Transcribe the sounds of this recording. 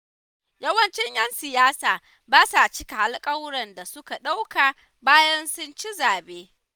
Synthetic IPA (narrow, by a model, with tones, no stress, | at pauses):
jɐ˦wɐ˨nt͡ʃɛ˦ɲjɐ˦nsɪ˨jaː˦saː˨ | baː˦sa˨t͡ʃɪ˦ka˨ha˦lkʼɐ˦wɽɐ˨nda˨sʊ˦ka˨ɗa˦wka˨ | baː˦jɐ˦nsʊ˦nt͡ʃi˦zaː˨beː˦